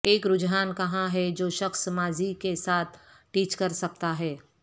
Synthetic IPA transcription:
eːkɾʊd͡ʒɦaːnkɐɦãɦɛd͡ʒoːʃɐxsmaːzikesaːt̪ʰ | ʈiːt͡ʃkɐɾsɐkt̪aɦɛː

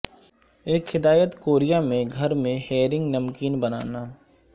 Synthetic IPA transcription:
eːkhɪd̪aːjət̪koːɾijamẽɡʱɐɾmẽheːɾɪ̃ŋɡnɐmkiːnbɐna̰ːnaː

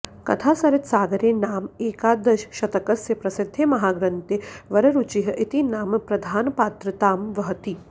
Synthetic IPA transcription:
kɐ̰t̪ʰaːsɐɾɐt̪saːɡɐɾeːnaːmeːkaːd̪ɐʃʃɐt̪ɐkɐsjɐpɾɐsɪd̪ʱːeːmɐɦaːɡɾɐnt̪eʋɐɾɐɾut͡ʃiɦɐʔit̪inaːmpɾɐd̪ʱaːnpaːt̪ɾɐt̪aːmʋɐɦɐt̪i

